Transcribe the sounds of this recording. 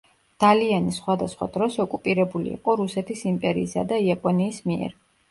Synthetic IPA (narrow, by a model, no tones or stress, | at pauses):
d̪̥alianisχwad̪asχwa̰d̪ɾɔsɔkʼupʼiɾɛbulḭːqʼɔɾusɛt̪ʰisimpʼɛɾḭːsa̰d̪aiapʼɔniːsmiɛ̰ɾ